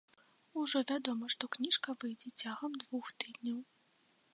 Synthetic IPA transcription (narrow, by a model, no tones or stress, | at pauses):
uʐɔvʲad̪ɔmɐʂt̪ɔknʲiʂkɐvɨjd͡zʲɛt͡sʲaɣɐmd̪vuxt̪ɨd̪ʲnʲɐw